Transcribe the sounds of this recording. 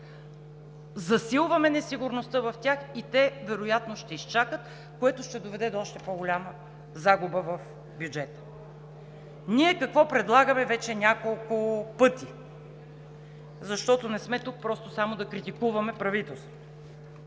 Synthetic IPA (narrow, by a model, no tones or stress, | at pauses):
zɐsilˠvɐmɛnɛsiɡʊɾnost̪ɤvɐft̪ʲjaxit̪ɛvɛɾojat̪noʃt̪ɛist͡ʃakət̪ | koɛt̪ʊʃt̪ɛd̪ovɛd̪ɛd̪oɔʃt̪ɛpoɡolʲamə | zaɡʊbəvɐf | bjud͡ʒɛt̪ə̥ | niɛkɐkvɔpɾɛd̪lˠaɡəmɛvɛt͡ʃɛnʲakolˠkʊpɤt̪i | zɐʃt̪ɔt̪onɛsmɛt̪uk̚pɾɔst̪osamod̪ɐkɾit̪ikuvɐmɛpɾɐvit̪ɛlˠst̪vot̪ʊʊ